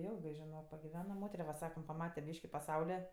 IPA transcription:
ˈjɪlˠɡɜ ʒʲɪˈnoːk pɐɡʲɪˈʋʲæːnɐ ˈmoːtʲɛrʲɛ ʋɐ ˈsɑːkɐm pɐˈmɑːtʲɛ ˈbʲiːʃʲkʲɪ pɐˈsɐʊlʲɛ

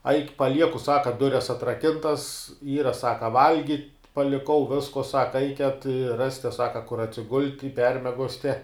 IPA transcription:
ɐɪkʲ pɐˈlʲiɛkʊ ˈsɑːkɐ ˈdʊrʲɛs ɐtrɐˈkʲɪntɐs ˈiːrɐ ˈsɑːkɐ ˈʋɐlʲɡʲɪtʲ pɐlʲɪˈkɐʊ ˈʋʲɪskoː ˈsɑːkɐ ˈɐɪkʲɛt ɪ ˈrɑːsʲtʲɛ ˈsɑːkɐ kʊr ɐtʲsʲɪˈɡʊlʲtʲ ɪ ˈpʲɛrʲmʲiɛɡoːsʲtʲɛ

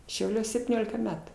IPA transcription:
ʃʲɛʊˈlʲuɔs sʲɛpʲtʲiːˈnʲoːlʲɪkɐ ˈmʲæːtʊ

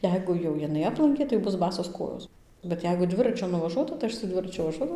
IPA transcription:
ˈjɛɪɡʊ jɛʊ jɪˈnɐɪ ˈɑːplˠɐŋʲkʲeː tɐɪ ˈbʊs ˈbɑːsoːs ˈkoːjoːs bʲɛt ˈjɛɪɡʊ ˈdʲʋʲɪrɐt͡ʃʲʊ nʊʋɐˈʒuɔtɐ tɐɪ ˈɐʃ sʊ ˈdʲʋʲɪrɐt͡ʃʲʊ ʋɐˈʒuɔdɐʋɐʊ

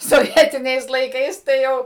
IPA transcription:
soːˈʋʲiɛtʲɪnʲɛɪs lˠɐɪˈkɐɪs tɐɪ ˈjɛʊ

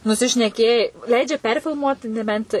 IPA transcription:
nʊsʲɪʃʲnʲɛˈkʲeːjɛɪ ˈlʲɛɪd͡ʒʲɛ ˈpʲɛrʲfʲɪlˠmuɔt nʲɛˈbʲɛnt

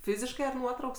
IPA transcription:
ˈfʲiːzʲɪʃkɐɪ ɐr ˈnuɔtrɐʊks

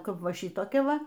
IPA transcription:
ˈkɐp ˈʋɐ ˈʃʲiːtoːkʲɛ ˈʋɐ

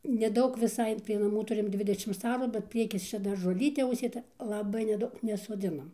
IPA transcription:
nʲɛˈdɐʊk ʋʲɪˈsɐɪ pʲrʲiɛ nɐˈmuː ˈtʊrʲɪm ˈdʲʋʲɪdʲɛʃʲɪms ˈɑːruː bʲɛt ˈpʲrʲiɛkʲɪs ˈt͡ʃʲɛ dɐr ʒoːˈlʲiːtʲeː ʊʃʲsʲeːˈtɐ lˠɐˈbɐɪ nʲɛˈdɐʊk nʲɛsoːˈd͡zʲɪnɐm

